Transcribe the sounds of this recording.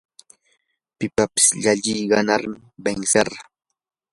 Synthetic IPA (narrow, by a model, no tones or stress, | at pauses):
pɪpapɪ̥sʎaʎɪjɢɑnaɾmɪbeŋseɾɑ